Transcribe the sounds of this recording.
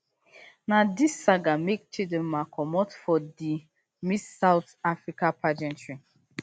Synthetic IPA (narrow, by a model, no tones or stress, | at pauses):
nadisːaɡamek̚t͡ʃidɛ̃nmakʰɔmɔtfɔdi | missːawtafɹikapʰad͡ʒɛ̃ntɹĩ